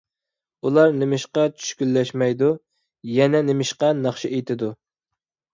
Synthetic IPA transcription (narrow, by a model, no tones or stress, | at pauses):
ulˠɑɾnɪmɪʃqɑt͡ʃʰy̥ʃkʲylːɛʃmɛjd̪u | jɛnɛnemɪʃqɑnɑχʃiʔejt̪ʰɪd̪u